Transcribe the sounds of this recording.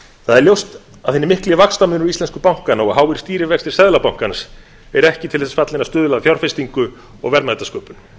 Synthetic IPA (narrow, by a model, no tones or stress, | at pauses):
θaðɛɾljowst̪ | aðθenɪmɪhklɪvakst̪amʏnɾist̪ɛnskʏpawŋ̥kanaɔɣɦaːwɪɾ̥st̪iːɾɪvɛkst̪ɪ̥ɾ̥sɛðlapawŋ̥kans | ɛɾɛhcɪt̪ʰɪθɛsfat̪lɪnast̪ʏːðʏlaðafjawɾr̥fɪst̪iŋkʏ | ɔ̰ɣvɛɾmajt̪askœːpʏn